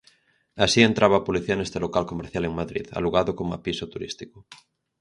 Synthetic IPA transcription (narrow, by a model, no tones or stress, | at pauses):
asie̞nt̪ɾaβapoliθianest̪elokalkomeɾθjaleŋmaðɾḭða̰luɣaðokoma̰pisot̪uɾḭst̪iko